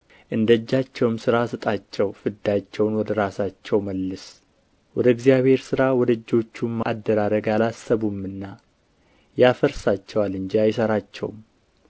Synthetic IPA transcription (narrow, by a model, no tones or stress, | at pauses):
ʔɨnd̪əd͡ʒːat͡ʃːɛwmsɨɾasɨt̪ʼat͡ʃːɛwfɨd̪ːat͡ʃːɛwnwɔd̪əɾasat͡ʃːɛwməlːɨs | wɔd̪əɡzijaβhe̞ɾsɨɾawɔd̪əd͡ʒːo̞t͡ʃːumːad̪ːəɾaɾəɡalasəβumːɨnːa | jafəɾsat͡ʃːɛwalɨɲd͡ʒiajɪsəɾat͡ʃːɛ̰wm